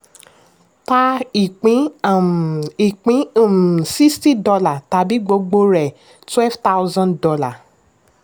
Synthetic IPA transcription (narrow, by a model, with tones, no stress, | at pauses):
ta˦i˨k͡pĩ˨˦˨ | i˨k͡pĩ˨˦˨si˦sti˦dɔ˧la˨ta˨˧bi˦ɡ͡bo˧ɡ͡bo˧ɾɛ˨ | twɛ˦lfta˦u˦zã˦ndɔ˧la˨